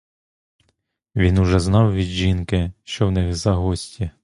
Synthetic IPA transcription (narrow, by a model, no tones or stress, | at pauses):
ʋʲinʊʒɛznɑwʋʲid̪ʒinkɪʃt͡ʃɔwnɪɣzɐɦɔsʲtʲi